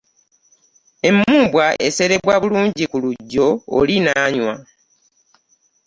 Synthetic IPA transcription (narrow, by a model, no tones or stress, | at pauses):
e̞mːuːbwae̞̰se̞ɾe̞βwaβuluːɲɟikuluɟːo̞̰ːlinaːɲwa